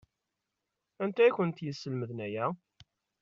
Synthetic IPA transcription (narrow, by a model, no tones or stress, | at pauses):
ænt̪æçʷənt̪jəsːəlməðnæjæ